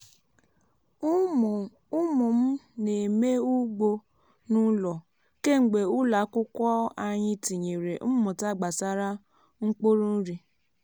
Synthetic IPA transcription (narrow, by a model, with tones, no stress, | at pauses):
u˦mũ˨m̩˦ne˨me˦u˦ɡ͡bo˧ | nũ˦lɔ˨ | ke˦˨ŋ͡m̩˨ɡ͡be˨u˦la˨˦kʊ˦kʷɔ˦a˧ɲĩ˧ti˨ɲe˨ɾe˨m̩˦mɔ̃˨ta˦˨ɡ͡ba˨sa˦ɾa˦ | ŋ̩˦k͡po˦ɾu˦n̩˦ɾi˧